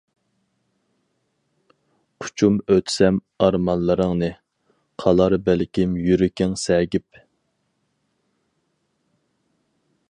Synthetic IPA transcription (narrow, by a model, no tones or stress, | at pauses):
qʰʊ̥t͡ʃʰumøt̪ʰsɛm | ɑɾmɑnlˠɨɾəŋnɨ | qʰɑlˠɑɾbælkʲʰimjyɾɪkʲɪŋsɛɡʲip̚